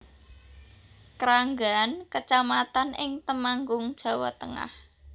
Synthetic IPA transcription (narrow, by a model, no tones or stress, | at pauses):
kəɾaŋɡankət͡ʃamat̪anʔɪŋt̪əmaŋɡʊŋd̥ʒ̥ä̤wɔ̰t̪əŋa̰h